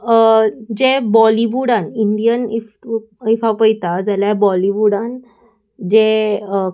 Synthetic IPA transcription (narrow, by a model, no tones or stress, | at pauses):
d͡ʑebɔliʋuɽaniɳɖijənif | ifapəjt̪ad͡zaljabɔliʋuɽãn | d͡ʑe